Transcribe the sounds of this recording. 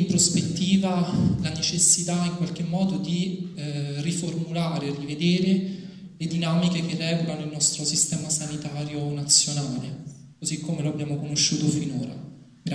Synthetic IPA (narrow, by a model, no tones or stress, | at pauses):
impɾospet̪ːiːvalanet͡ʃesːit̪aiŋkwalk̟emːɔːd̪od̪i | riformulaːɾerːived̪eːɾe | led̪inamikekerːɛːvokanoilnɔst̪ɾosist̪ɛːmasanit̪aːɾjonat̪sːjonaːle | kozikʰːomeloabːjaːmokonoʃːuːt̪ofinoːɾa̰ | ɡɾa